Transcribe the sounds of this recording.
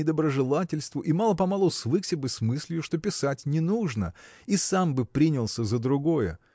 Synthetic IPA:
ɪd̪əbɾəʐɨlˠatʲɪlʲst̪vʊʔimɑlˠəpɐmalˠusvɨksʲəbɨsmɨsʲlʲjʊʂt̪o̞pʲɪsatʲnʲɪnuʐnəisambɨpɾʲinʲɪlˠsʲəzəd̪ɾʊɡojə̰

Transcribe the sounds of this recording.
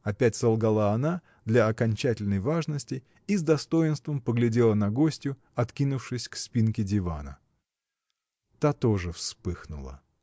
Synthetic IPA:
ɐpʲætʲsɐlˠɡɐlˠaɐna | d̪lʲɐɐkɐnʲt͡ɕætʲɪlʲnəjvaʐnəsʲtʲɪ | izd̪ɐst̪o̞jɪnst̪vəmpəɡlʲɪdʲe̞lˠənɐɡo̞sʲtʲjʊ | ɐt̪kʲinʊfʂɨsʲkspʲinkʲɪdʲɪva̰nə̰ | t̪at̪oʐɨfspɨxnʊ̰lˠə̰

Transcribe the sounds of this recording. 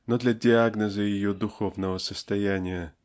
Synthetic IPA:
nod̪lʲadʲɪaɡnəzɨjɪjod̪ʊxovnəvəsəst̪ɐjænʲɪjə

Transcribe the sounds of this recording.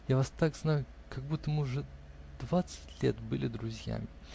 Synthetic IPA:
javast̪akznajʊ | kɐɡ̚but̪ːəmɨʊʐɛ | d̪̥vat̪sɨ̥tʲlʲḛt̪bɨlʲɪd̪ɾʊzʲja̰mʲɪ

